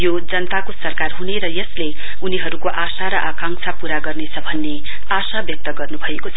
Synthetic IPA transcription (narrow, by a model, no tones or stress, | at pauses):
jo | d͡zʌnʌt̪akosʌrkarɦuneɾʌjʌsle | uniɦʌɾukoʔasaɾʌʔakaŋsʰapuɾaɡʌrnet͡sʰʌbʱʌnːe | asabjʌk̚t̪ʌɡʌrnubʱʌekot͡sʰʌ